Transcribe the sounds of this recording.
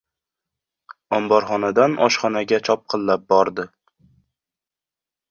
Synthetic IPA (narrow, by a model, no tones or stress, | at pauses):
ɒmbɒɾχɒnad̪anʔɒ̰ʃχɒnaɡʲat͡ʃʰɒp̚qʰɨllːap̚bɒɾd̪ɪ